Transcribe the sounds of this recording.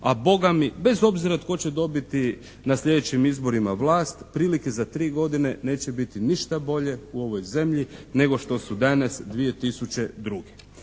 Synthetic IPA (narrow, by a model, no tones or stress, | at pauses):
abo̞ɡamibe̞zo̞bziɾat̪ko̞t͡ɕe̞d̪o̞bit̪i | nasʎʲe̞d̪et͡ɕimizbo̞ɾimaʋlˠaːst̪pɾiːlikezat̪ɾiːɡo̞d̪ine̞ne̞ːt͡ɕebit̪iniʃt̪abo̞ʎe̞uo̞ʋo̞jze̞mʎine̞ɡo̞ʃt̪o̞sud̪anasd̪ʋije̞t̪isut͡ɕe̞d̪ɾuɡe